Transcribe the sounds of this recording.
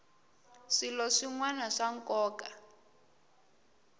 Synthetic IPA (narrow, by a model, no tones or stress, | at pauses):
ʂilɔʂiŋwanaʂaŋkɔːka